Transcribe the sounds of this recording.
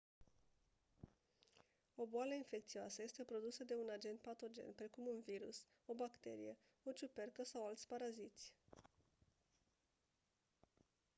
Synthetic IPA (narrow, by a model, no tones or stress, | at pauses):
o̞boaləinfe̞kt̪sioasəje̞st̪e̞pɾo̞d̪usəd̪e̞unad͡ʒe̞nt̪̚pat̪o̞d͡ʒe̞̰npɾe̞kumunviɾṵs | o̞bakt̪e̞ɾḭje̞ | o̞t͡ʃupe̞rkəsawalt̪sʲpaɾazit̪sʲ